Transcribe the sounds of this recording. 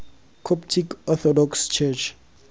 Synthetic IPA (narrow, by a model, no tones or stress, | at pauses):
kʰɔptʰikɔθɔdɔkst͡ʃʰɛt͡ʃʰ